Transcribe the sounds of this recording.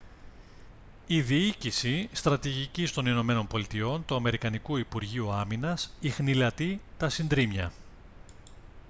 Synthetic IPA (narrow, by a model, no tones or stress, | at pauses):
iðiicisist̪ɾɐt̪iʝicist̪o̞nino̞me̞no̞mpo̞lit̪io̞nt̪uɐme̞ɾikɐnikuipuɾʝiuɐminɐsixnilɐt̪it̪ɐsind̪ɾimɲɐ̰